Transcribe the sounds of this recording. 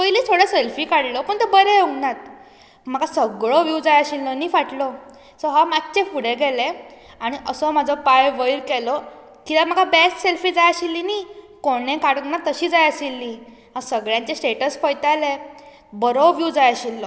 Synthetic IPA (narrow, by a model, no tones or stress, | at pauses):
pəjliːt̪ʰoɽeselfiːkaɽlɔpəɳt̪ubəɾeoɡnat̪ | m̤əkasəɡɭɔʋjud͡zajaɕilːɔniːfaʈlɔ | sɔɦamatt͡ɕefuɽeɡɛle | aɽ̃iʔəsɔm̤ad͡zʱɔpajʋəjiɾkɛlɔ | kit̪am̤əkabɛsʈselfiːd͡zajaɕilːini | koɽ̃ẽkaɽuŋnat̪ːəɕiːd͡zajəɕilːi | ɦãsəɡɭjãɲt͡ɕesʈeʈəsfəjt̪ale | bəɾɔʋjud͡zajəɕilːɔ